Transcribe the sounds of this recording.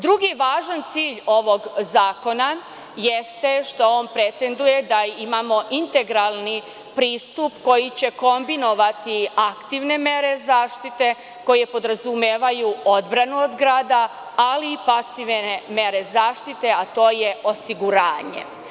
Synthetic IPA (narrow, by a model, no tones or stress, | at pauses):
d̪ɾuɡiʋaːʒant̪siːʎo̞ʋo̞ɡzaːko̞na | jest̪e̞ʃt̪oo̞ːnpɾe̞t̪e̞nd̪uje̞d̪aimamo̞ʔint̪e̞ɡɾalˠni | pɾiːst̪upko̞jit͡ɕe̞ko̞mbino̞ʋat̪iakt̪iʋne̞mje̞ɾe̞zaːʃt̪it̪e̞ | ko̞jepo̞d̪ɾazumeːʋajuo̞d̪bɾanuod̪ɡɾaːd̪a | aliːpasiʋnemje̞ɾe̞zaːʃt̪it̪e̞at̪o̞ːje̞o̞siɡuɾaːɲe̞̰